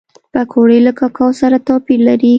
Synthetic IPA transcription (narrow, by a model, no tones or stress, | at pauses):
pakʰoɽəjlakɑkʰɑwsaɾat̪ɑpilaɾi